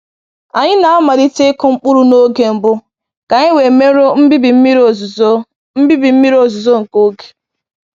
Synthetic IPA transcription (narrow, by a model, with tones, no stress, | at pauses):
a˨ɲɪ˦na˨a˦ma˨ɾi˦te˦kʊ˦ŋ͡m̩˦k͡pʊ˦ɾu˦no˦ɡe˨m̩˨bʊ˦ | ka˨ɲɪ˦we˨me˦ɾo˦m̩˦bi˦bi˨m̩˦mi˦ɾo˨zzo˦ | m̩˦bi˦bi˨m̩˦mi˦ɾo˦˨zʊ˨zo˦ŋ̩˨ko˦ɡe̥˨